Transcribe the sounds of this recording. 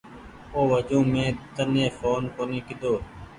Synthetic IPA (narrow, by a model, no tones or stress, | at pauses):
oːʋəd͡ʒõːmẽːt̪ənẽːfʰoːnkoːniːkɪd̪oː